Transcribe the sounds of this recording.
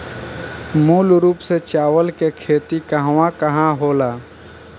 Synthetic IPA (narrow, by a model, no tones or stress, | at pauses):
muːlɾuːpset͡ʃaːʋəlkekʰeːt̪ikəɦʋãkəɦãɦoːlaː